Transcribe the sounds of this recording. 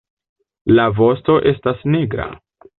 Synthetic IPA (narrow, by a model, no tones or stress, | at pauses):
lavo̞sto̞ʔe̞stasneɡɾa̰